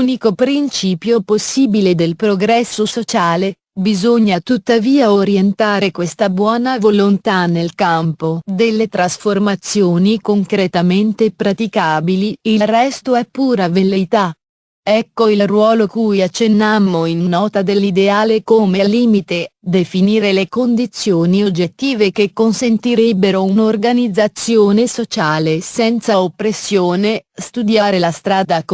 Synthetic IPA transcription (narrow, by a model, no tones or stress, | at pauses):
unikopɾint͡ʃiːpjoposːiːbiled̪elpɾoɡɾɛsːosot͡ʃaːle | bizoɲːat̪ut̪ːaviːaoɾjent̪aːɾekwest̪abwɔːnavolont̪anːelkampod̪elːet̪ɾasformat̪sːjoːnikoŋkɾet̪ament̪epɾat̪ikaːbiliilrːɛst̪oɛpːuːɾavelːet̪a | ɛkːoilrwɔːlokuːjat͡ʃːenːamːoinːɔːt̪ad̪elːid̪eaːlekomeliːmit̪ed̪efiniːɾelekond̪it̪sːjoːniod͡ʒːet̪ːiːvekekːonsent̪iɾebːeɾounorɡanid̪zːat̪sːjoːnesot͡ʃaːlesɛnt̪saopːɾesːjoːnest̪ud̪jaːɾelast̪ɾaːd̪ak